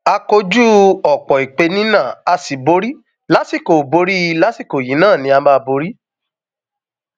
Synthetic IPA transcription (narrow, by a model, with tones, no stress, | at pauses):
a˧ko˧˦d͡ʒu˦ɔ˨k͡pɔ˨i˨k͡pe˧nĩ˦nã˦˨a˧si˨bo˨˧˦ɾi˦ | la˦si˦˨ko˨bo˨˦ɾi˦˧˦la˦si˦˨ko˨jĩ˨˦nãː˦˨nĩ˧˦a˧ma˦˧bo˧ɾi˦